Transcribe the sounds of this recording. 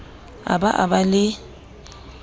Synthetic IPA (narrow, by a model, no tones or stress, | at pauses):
a̰baʔa̰balɪ